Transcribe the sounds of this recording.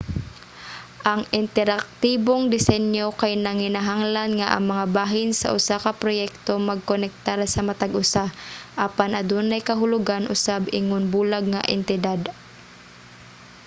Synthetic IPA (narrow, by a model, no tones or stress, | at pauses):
ʔaŋɪnt̪ɛɾak̚t̪iboŋd̪ɪsɛnjokajnɐŋɪnaɦaŋlanŋaʔɐ̰ŋmɐŋabaːɦɪnsɐ̰ʔʊsakɐpɾojɛk̚t̪omɐɡ̚konɛk̚t̪aɾsɐmɐt̪aɡʔʊsaʔapanɐd̪unajkɐɦʊlʊɡanʔʊsabɪŋʊnbuːlaɡ̚ŋa̰ʔɛ̰nt̪ɪd̪ad̪